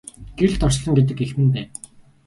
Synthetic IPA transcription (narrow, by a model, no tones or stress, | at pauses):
ɡ̥eɮt̪ɔrsɮɞ̆ŋɡet̪̬ɘ̆kexmɘ̆npæːn